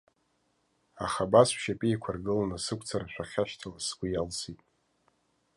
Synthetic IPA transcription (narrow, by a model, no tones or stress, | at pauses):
a̰χabasʃapʼiikʷʰarɡɨlanasɨkʷʼʰt͡sʰaraʃʷᶣaχʲaʃtʰalasɡʷijalsʰitʼ